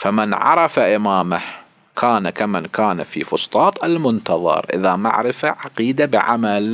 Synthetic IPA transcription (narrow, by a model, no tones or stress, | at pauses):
famɪnʕɑ̰ɾˤɑfaʔɪmaːmah | kʰaːnakamɪnkaːnafḭːfʊst̪ˤɑːt̪ˤʔalmʊnt̪ɑðˤɑ̰ɾˤʔɪ̰ðama̰ʕɾɪfaʕaqiːd̪abɪʕa̰mal